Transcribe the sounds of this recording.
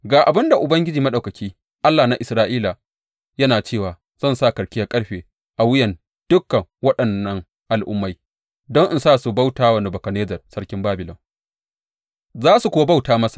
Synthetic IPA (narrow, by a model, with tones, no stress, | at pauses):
ɡaː˨ʔa˨bɪ˦nda˨ʔʊ˨bɐ˦ŋɡʲɪ˦d͡ʒiː˨mɐ˦ɗa˨wkɐ˨kʲʰiː˦ | ʔa˦lːaː˨na˨˦ʔɪ˨sɾaː˦ʔiː˦la˨ | jɐ˦naː˨t͡ʃeː˦˨waː˨ | z̥ɐ˦˨nsa˦˨kɐ˨ɽkʲɪ˦ja˦kʼɐ˦ɽɸeː˨ | ʔa˨wɪ˦jɐ˨n | d̥ʊ˦kːɐ˨ŋwɐ˦ɗɐ˨nːɐ˦ŋ | ʔa˨lʔʊ̰˦mːa˦j | dɔ˦ŋʔɪ˦nsaː˦˨su˨ba˦wtaː˦wɐ˨ne˨bɐ˨kɐ˨neː˦d͡ʒɐ˨rsɐ˦ɽkʲɪ˦mbaː˦bɪ˨lɔ˨ŋ | zaː˦su˨kʷʊ˦wa˦ba˦˨wtaː˦mɐ˦sḁ˨